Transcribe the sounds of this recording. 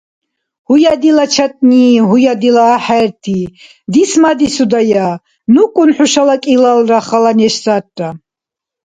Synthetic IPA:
hujad̪ilat͡ʃʰat̪ʼniɦujad̪ilaːħaɾt̪ʰi | d̪ismad̪isud̪aja | nukʼunħuʃalakʼilalraχalanɛʃsat̚ʼda

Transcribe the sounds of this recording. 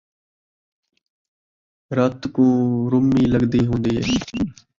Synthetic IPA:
ɾət̪kũːɾʊmiːləɡd̪iːɦõːnd̪iːɦḛː

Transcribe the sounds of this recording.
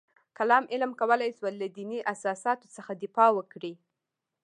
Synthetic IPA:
kalɑmʔɪlmkawəlajswalːad̪iniʔasɑsɑt̪o̥t͡səxad̪ɪfɑwəkɽi

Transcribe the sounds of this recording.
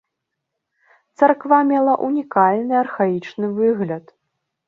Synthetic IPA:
t̪sarkvamʲɛlˠɐʔunʲikalʲnɨɐrxait͡ʂnɨvɨɣlʲɐt̪

